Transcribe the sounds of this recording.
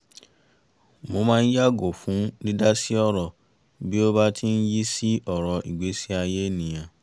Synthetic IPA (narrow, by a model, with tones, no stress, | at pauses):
mo˧mãː˦˧n̩˦ja˦ɡo˨fũ˨˦nĩ˦da˦si˦ɔ˦ɾɔ˨ | bi˦o˦ba˦tʰi˦n̩˦ji˦si˦ʔɔ˨ɾɔ˨˧i˨ɡ͡be˨˦si˦a˧je˦nĩ˨j̃ã˨